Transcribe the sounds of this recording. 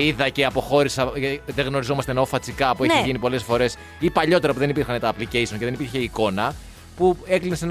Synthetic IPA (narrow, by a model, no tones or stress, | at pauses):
iðɐce̞ɐpo̞xo̞ɾisɐɐiðeɣno̞ɾizo̞mɐst̪enofɐt͡sikɐpueeʝinipo̞le̞sfo̞ɾe̞s | ipɐʎo̞t̪e̞ɾɐpuðe̞nipiɾxɐnet̪ɐːplicejso̞nce̞ðenipiɾçe̞iko̞nɐ | pue̞klinesen